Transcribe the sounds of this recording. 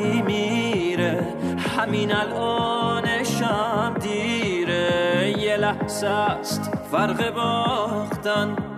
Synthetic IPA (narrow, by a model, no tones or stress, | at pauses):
miɾe | haminælɔːneʃamd̪iɾejelæhsæst̪fæɾɣebɔχt̪an